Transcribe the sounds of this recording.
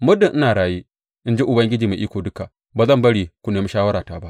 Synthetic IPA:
mʊ˦dɪ˨ʔɪ˦naː˨ɽaː˨jiː˦ | ʔɪ˦nd͡ʒi˦ʔʊ˨bɐ˦ŋɡʲɪ˦d͡ʒiː˨ma˨ʔiː˦kʷoː˨dʊ˦ka˨ | baː˨zɐ˦˨mbɐ˦ɽiː˨kʷʊ˦neː˨mi˦ʃaː˦wɐ˦ɾaː˨taː˦ba˦ʔ

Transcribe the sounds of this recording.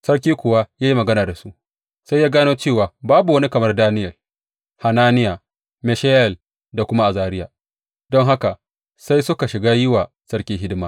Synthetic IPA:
sɐ˦rkʲiː˦kʷʊ˨wa˦jaː˦ji˦mɐ˨ɡɐ˦naː˨da˨su˦ʔ | sa˦jːaː˦ɡaː˦noː˦t͡ʃeː˦˨waː˨baː˦bu˨wɐ˦ni˦kɐ˨mɐ˦rdaː˦nɪ˦jɐ˨l | ha˨naː˦nɪ˦ja˨ | mɛ˨ʃa˦jɛ˨l | da˨kʷʊ˦ma˦ʔa˨zaː˦ɾɪ˦jaː˨ | d̥ɔ˦ŋɦa˦ka˨ | sa˦jsʊ˦ka˨ʃɪ˨ɡaː˦jɪ˦waː˨ | sɐ˦rkʲiː˦ɦɪ˦dɪ˦maː˦

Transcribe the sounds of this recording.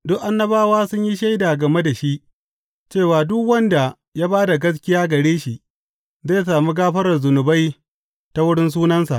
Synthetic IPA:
dʊ˦ʔʔa˦nːɐ˦baː˦waː˦sʊ˦ɲji˦ʃa˦jda˨ɡɐ˨me˦da˨ʃi˦ʔ | t͡ʃeː˦˨waː˨dʊ˦kwɐ˦nda˨ | jaː˦baː˦da˨ɡɐ˦s̬kʲɪ˦jaː˦ɡɐ˨ɽeː˦ʃi˨ʔ | zaː˦˨jsaː˨mi˦ɡaː˦ɸɐ˦ɾɐ˨rzʊ˨nʊ˨ba˦j | ta˦wʊ˦ɽɪ˦ns̬uː˦nɐ˦nsa̰˨ʔ

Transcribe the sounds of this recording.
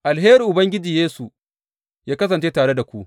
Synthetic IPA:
ʔa˨lɦeː˦ɾi˨ʔʊ˨bɐ˦ŋɡʲɪ˦d͡ʒiː˨jeː˦su˨ | jaː˦kɐ˦sɐ˨nt͡ʃeː˦taː˨ɽe˦da˨kʷu˦ʔ

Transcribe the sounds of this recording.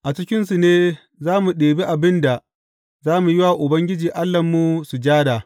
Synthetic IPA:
ʔa˨t͡ʃɪ˦kʲɪ˦nsu˨neː˦ | zaː˦mu˨ɗeː˨be˦ʔa˨bɪ˦nda˨ | zaː˦mu˨jɪ˦waː˨ʔʊ˨bɐ˦ŋɡʲɪ˦d͡ʒiː˨ʔa˦lːɐ˨mːu˨su˨d͡ʒaː˦daː˨

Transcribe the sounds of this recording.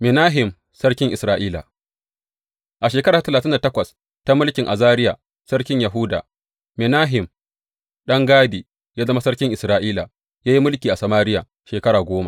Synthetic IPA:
mɪ˨naː˦ɦɪ˨m | sɐ˦rkʲɪ˦ŋʔɪ˨sɾaː˦ʔiː˦la̰˨ | ʔa˨ʃeː˨kɐ˦ɾaː˨a˨tɐ˨laː˨tɪ˦nda˨tɐ˦kʷɐ˨s | ta˦mʊ˦lkʲɪ˨ŋʔa˨zaː˦ɾɪ˦ja̰˨ | sɐ˦rkʲɪ˦ɲjɐ˨ɦʊ˦da̰ː˨ | mɪ˨naː˦ɦɪ˨m | ɗɐ˦ŋɡaː˦diː˨ | jaː˦zɐ˦ma˦sɐ˦ɽkʲɪ˦ŋʔɪ˨sɾaː˦ʔiː˦la̰˨ | jaː˦ji˦mʊ˦lkʲiː˨ʔa˨sɐ˨maː˦ɾɪ˦ja̰ː˨ | ʃeː˨kɐ˦ɽaː˨ɡʷoː˦ma̰˦

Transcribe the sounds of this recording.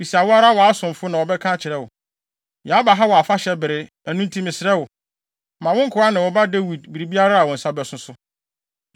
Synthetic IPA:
fi˨si˨a˨wʊ˦a˦ɾa˦wɔ˨a˦sʊ̃˨m˨fʊ˦nã˨wɔ˨bɛ˦kʰã˦t͡ɕʰɪ˨ɾɛ˦wʊ˨ | jɛ˨a˦ba˨ɦa˦wɔ˨a˨fa˦ɕɛ˦bɪ˨ɾɪ˨ | æ˨nũ˦n̩˦tʰĩ˦mɪ̃˨sɪ˨ɾɛ˦wʊ˨ | mã˨wʊ̃˦ŋ̩˦kʰʊ˨˦a˦nɪ̃˨wɔ˨ba˦de˦wi˨dbi˨ɾi˨bi˦a˦ɾa˦a˨wɔ̃˨n̩˨sa˦bɛ˨sʊ̃˦sʊ˦

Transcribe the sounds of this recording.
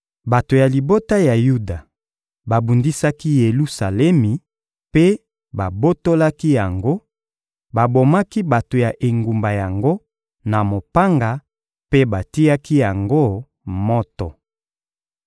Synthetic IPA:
ba˨to˨ja˨li˨bo˦ta˦ja˨ju˦da˨ | ba˨bu˨ndi˦sa˦ki˦je˨lu˦sa˨lɛ˦mi˨ | pe˦ | ba˨bo˦to˦la˦ki˦ja˨ŋɡo˦ | ba˨bo˨ma˦ki˦ba˨to˨ja˨ʔe˨ŋɡu˨mba˨ja˨ŋɡo˦ | na˨mo˨pa˦ŋɡa˨ | pe˦ba˨ti˦ja˦ki˦ja˨ŋɡo˦ | mɔ˦tɔ˨

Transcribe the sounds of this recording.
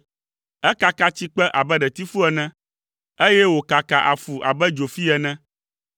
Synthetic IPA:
ɛ˦ka˨ka˦t͡ɕi˦k͡pɛ˦ʔa˨bɛ˦ɖɛ˨t̪i˦fu˦ɛ˨nɛ̃˦ | e˦jɛ˦wo˨ka˨ka˨ʔa˨fu˨ʔa̰˨bɛ˦d͡ʒo˨fi˦ɛ˨nɛ̃˦

